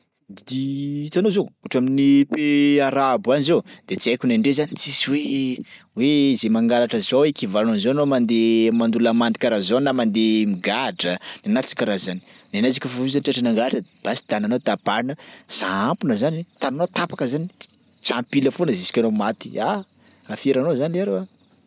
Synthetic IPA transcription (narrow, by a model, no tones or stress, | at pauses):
d̪d̪iit͡s̪anozouʈ͡ʂaminipeaɾabuanizowd̪̥et͡siajkʲuneɳɖ͡ʐezanit͡sisiwe | weizemaŋɡaɾaʈ͡ʂəzowekivalanonizoanomand̪emand̪ulamand̪i̥kʲaɾazonamand̪emiɡaɖ͡ʐənanat͡si̥kʲaɾazani̥nanazikʲufavuz̬anʈ͡ʂaʈ͡ʂanaŋɡaɾaʈ͡ʂəb̥asi̥d̪ananot̪ab̥anəz̥aampunəzanet̪ananot̪apakəzani | t͡sampiləfonəzisi̥kʲanomat̪i̥a | afeɾanozanieɾuwa